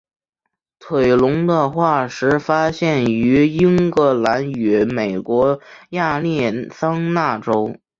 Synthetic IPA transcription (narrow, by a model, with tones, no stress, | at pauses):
t̪ʰwe˨˩ɪlʊ˧˥ŋd̪ə˧xwa˥˩ʂɻ̩˧˥fa˥ɕjɛ˥˩ny˧˥i˥ŋkɤ˧˥la˧˥ny˧˥˩me˨˩ɪkwɔ˧˥ja˥˧ljɛ˥˩sɑ˥ŋna˥˩ʈ͡ʂo˥ʊ